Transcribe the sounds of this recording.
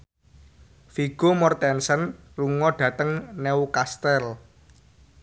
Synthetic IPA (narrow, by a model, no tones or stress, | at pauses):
fiɡ̥omɔrt̪ɛnsənruŋɔɖ̥ä̤t̪əŋneukast̪ɛl